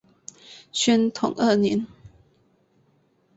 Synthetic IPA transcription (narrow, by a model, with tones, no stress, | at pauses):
ɕɥɛ˥nt̪ʰʊ̰˨˩ŋʔə˥˧˨nɛ˧˥˦n